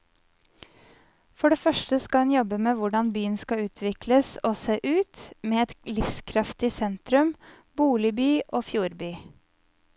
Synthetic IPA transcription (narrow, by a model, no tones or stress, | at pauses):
fɔɖeːfœʃʈəskɑhɑnjɔbəmeːʋʊɖɑnbyːənskɑʉːt̪ʰʋɪkləsoːseːʔʉːt̪meːɛt̪lɪfskʰɾɑft̪ɪsɛnt̪ɾʉm | buːlɪbyːʔoːfjuːɾbyː